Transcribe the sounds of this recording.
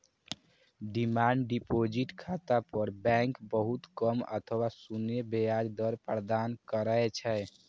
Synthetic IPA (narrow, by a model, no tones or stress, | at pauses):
ɖimaɳɖɖipod͡ʒiʈkʰat̪apəɾbɛ̃ŋkbəɦut̪kəmə̰t̪ʰəwasunebejad͡ʒd̪əɾpəɾd̪ankəɾəet͡ʃʰɛ